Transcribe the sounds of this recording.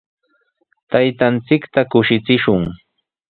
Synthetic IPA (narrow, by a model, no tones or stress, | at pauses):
t̪ajt̪ant͡sɪkt̪akʊʃɪt͡sɪʃʊŋ